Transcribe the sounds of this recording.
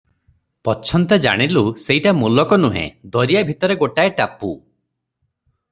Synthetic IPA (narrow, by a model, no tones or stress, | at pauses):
pɔt͡ʃʰɔnt̪ed͡ʒa̰ɽ̃iluseɦiʈamulɔkɔnuɦḛ̃d̪ɔɾijabʱit̪ɔɾeɡoʈaeʈapṵ